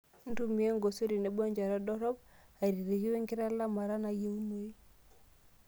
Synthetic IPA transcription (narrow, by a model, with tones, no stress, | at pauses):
n̩˦tu˦mi˦e˦ŋɡo˨so˦ɾi˨ne˨˦bɔ˦ɲd͡ʒa˨ɾa˦dɔ˦ɾɔ˦p̚a˨ɾi˨ɾe˨ɣi˦we˦ŋkɪ˦ɾa˦la˦ma˨ɾa˦na˨je˦u˦no˦i˦